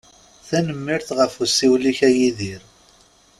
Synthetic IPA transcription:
θænəmːiɾθʁəfusːiwliçæjiðiɾ

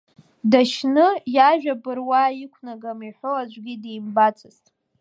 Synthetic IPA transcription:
daʃnɨjaʒᶣabɨrwaikʷʰnaɡamiħʷoad͡ʒʷɡʲidejmbat͡sʰɨztʼ

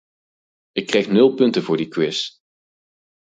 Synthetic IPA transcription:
ɪkːrɛjxnɵlˠpɵntəvʊːɹdikʋɪs

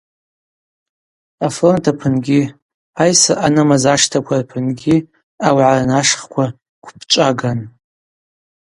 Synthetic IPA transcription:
afrontʰapʰɨnɡʲi | ajsaʔanɨmazaʂtʰakʷʰarpʰɨnɡʲi | awʕaranaʂχkʷʰa | kʷʰpʰt͡ʃʷʼaɡan

